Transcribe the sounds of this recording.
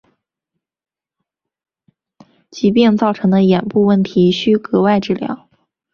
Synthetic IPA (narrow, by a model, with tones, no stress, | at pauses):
t͡ɕi˧˥p̬jɛ˥˧nt͡sɑ˥˩ʊʈ͡ʂʰɤ˧˥ŋd̪ə˧jɛ˨˩npu˥˧wə˥˩nt̪ʰi˧˥ɕy˥kɤ˧˥wa˥˧ɪʈ͡ʂɻ̩˥˩ljɑ̰˧˥ʊ